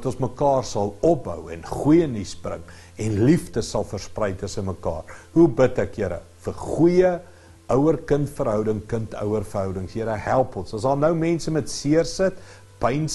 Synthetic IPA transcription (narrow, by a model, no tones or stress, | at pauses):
tɔ̃nsməkɑːrsɐlˠɔp̚bə̰wɛ̰nχujənisbrə̰ŋ | ɛnliftəsɐlˠfərsprɛjtʰəsənməkɑ̰ːrɦubətækjəɾə̰fərχujə | œwərkəntfərɦœwdəŋkəntœ̰wərfərɦœwdəŋsjəɾəɦælˠpɔnsɐsdɑːlˠnəwmɛnsəmɛtsiərsət | pəjn